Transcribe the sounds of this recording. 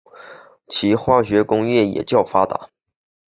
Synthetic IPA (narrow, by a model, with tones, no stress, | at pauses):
t͡ɕʰi˧˥xwa˥˩ɕɥɛ˧˥kʊ˥ŋjɛ˥˩jɛ̰˨˩t͡ɕjɑ˥˩ʊfa˥t̪a̰˨˩˦